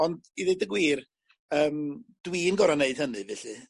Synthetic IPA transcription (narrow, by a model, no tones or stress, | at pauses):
ɔndiðedəɡwiːr | əːmd̥wiːnɡɔɾaneɨd̥hənɨvɛɬɨ